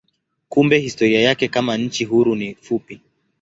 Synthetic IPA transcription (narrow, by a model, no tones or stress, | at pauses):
kumbɛhistɔɾiajakɛkamaɲ̩t͡ʃiɦuɾunifupi